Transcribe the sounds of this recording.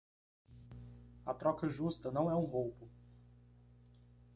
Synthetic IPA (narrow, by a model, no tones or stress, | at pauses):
ɐt̪ɾɔkɐʒust̪ɐnɐ̃w̃ɛũɦowpʊ